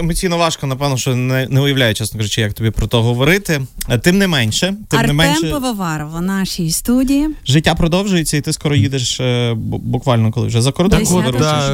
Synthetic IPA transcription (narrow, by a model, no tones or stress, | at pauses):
emɔsʲijnɔʋɑʃkɔnɐpɛʋnɔʃt͡ʃɔnɛnɛʊjɐʋlʲajɛt͡ʃɛsnɔkɔzɔt͡ʃijɐk̚t̪ɔbʲipɾɔt̪ɔɦɔʋɔɾɪt̪ɪt̪ɪmnɛmɛnʲʃɛt̪ɪmɛmɛnɛʃmɛpɐʋɐʋɑɾɔʋɐnɑʃijst̪udʲijiʒɪtʲːapɾɔd̪ɔwʒʊjet͡sʲːɐit̪ɪskɔɾɔjid̪eʃ | bʊkʋɑlʲnɔkɔlˠɪ̰wʒɛzɐkɔɾɔd̪d̪ɔɾu